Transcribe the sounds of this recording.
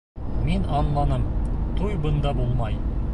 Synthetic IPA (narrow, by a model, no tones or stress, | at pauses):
menɑnlˠɑnəmt̪ʰujbənd̪ɑbulˠmɑj